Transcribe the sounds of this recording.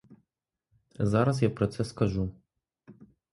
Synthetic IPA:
zɑɾɐz̬japɾɔt̪sɛskɐʒu

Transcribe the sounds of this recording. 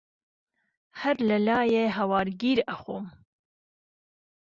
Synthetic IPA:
hɐɾləlɑːjeɦɐwɑːɾɡiːɾaxoːm

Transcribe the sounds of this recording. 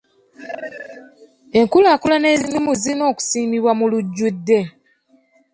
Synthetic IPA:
e̞ŋkulaːkulane̞ːzimimuzino̞ːku̥siːmiβwamuluɟːudːe̞

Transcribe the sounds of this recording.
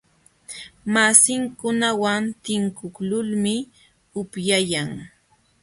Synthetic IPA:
masɪŋkʊnawant̪ɪŋkʊklʊlmɪ | ʊpjajaŋ

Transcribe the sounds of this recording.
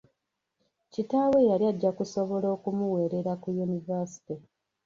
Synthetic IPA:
citaːwe̞jalijaɟːakuso̞βo̞lo̞ːkumuwe̞ːɾe̞ɾakujunivasi̥ti

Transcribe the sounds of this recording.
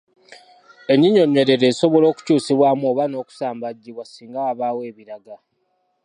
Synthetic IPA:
e̞ɲiɲo̞ɲːeɾe̞ɾeːso̞βolo̞ːku̥cuːsiβwaːmuoːβano̞ːku̥saːmbaɟːiβwasiːŋɡawaβaːwe̞ːβiɾaɡa

